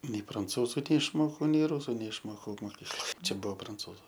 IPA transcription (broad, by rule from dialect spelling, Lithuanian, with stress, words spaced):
nʲɛɪ prɐnˈt͡suːzʊ nʲɛɪʃˈmoːkɐʊ nʲɛɪ ˈrʊsʊ nʲɛɪʃˈmoːkɐʊ moːˈkʲiːklˠoːj ˈt͡ʃʲɛ ˈbuɔ prɐnˈt͡suːzʊ